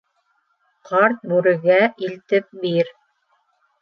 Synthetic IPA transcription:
qɑɾt̪̚bʉɾɘ̆ɡæʔilt̪ɘp̚biɾ

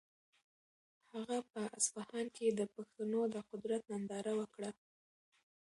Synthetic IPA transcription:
haɣapəasfahɑnked̪əpaxt̪anod̪əqʊd̪ɾat̪̚nand̪ɑɾawəkɽa

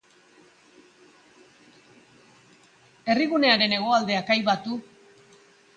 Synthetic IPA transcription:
e̞riɣune̞aɾe̞ne̞ɣ̞o̞ald̪e̞akajβat̪u

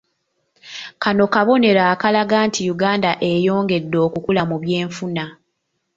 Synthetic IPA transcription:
kano̞kaβo̞ne̞ɾaːkalaɡaːntʰijuɡaːndaʔe̞jo̞ːŋɡe̞dːo̞ːkukulamuβje̞ːɱfuna

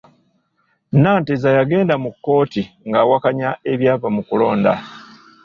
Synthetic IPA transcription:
naːntezajaɡe̞ːndamukːo̞ːti | ŋɡawakaɲaʔe̞βjaːvamukulo̞ːnda̰

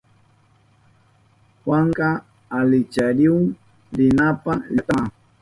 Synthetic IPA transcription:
xwaŋɢa | alɪt͡ʃaɾɪʊŋ | ɾɪnapalat̪a

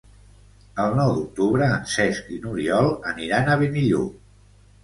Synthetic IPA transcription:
əlˠnɔwd̪uk̚t̪uβɾəːnsɛskinuɾiɔlˠəniɾanəβeniʎṵ

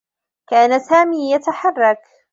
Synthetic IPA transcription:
kaːnasaːmiːjat̪aħɑrˤːɑk

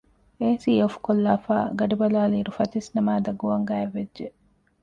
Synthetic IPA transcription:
eːsiːofkolːaːfa̰ːɡɐɖibɐlaːliːɾufɐt̪isnɐmaːd̪ɐɡuʋɐŋɡæːeʋːedʒe

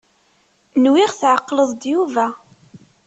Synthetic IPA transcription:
nwiʁθʕəqːləðˤd̪juvæ

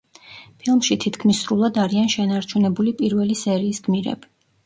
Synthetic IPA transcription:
pʰilˠmʃit̪ʰit̪ʰkʰmisːɾulˠad̪aɾianʃɛnaɾt͡ʃʰunɛbulipʼiɾvɛlisɛɾiːsɡ̥miɾɛ̰bi̥

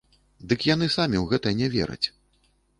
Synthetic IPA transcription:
d̪ɨkjan̪ɨsamʲiwɣɛt̪ɐnʲɛvʲɛ̰ɾɨ̰t͡sʲ

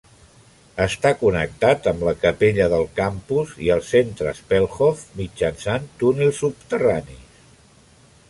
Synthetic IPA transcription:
əst̪akunə̰k̚t̪at̪əmləkəpeʎəðəlˠkampuziəlˠsent̪ɾə̰spɛlˠxɔfmid͡ʒənsant̪unilˠsupt̪əranḭ

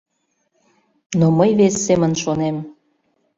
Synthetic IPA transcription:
noməjβesːemənʃonem

